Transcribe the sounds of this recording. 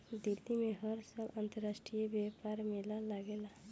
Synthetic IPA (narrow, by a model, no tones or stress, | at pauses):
d̪ɪlːimẽɦəɾsaːlə̃nt̪əɾaːsʈɾijebjepaːɾmɪlalaɡeːla